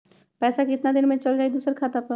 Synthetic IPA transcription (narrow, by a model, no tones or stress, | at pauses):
pɛːsakɪt̪nad̪inmẽt͡ʃəld͡ʒaːid̪usəɾkʰaːt̪apə